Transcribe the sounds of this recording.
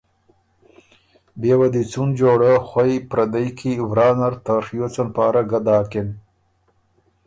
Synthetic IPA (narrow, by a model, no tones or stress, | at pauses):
beːwad̪it͡sund͡ʒoːɽəxwajpɾad̪ajkʰivɾɑːnaɾt̪axjot͡sanpɑːɾaɡad̪ɑːkɪn